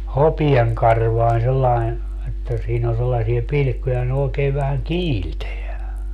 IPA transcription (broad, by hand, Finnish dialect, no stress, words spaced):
hopieŋkɑrʋɑin selːɑin etːæ siːn o selːɑsie pilĭkːujɑ ne oːkeː ʋæhæŋ kiːlteæ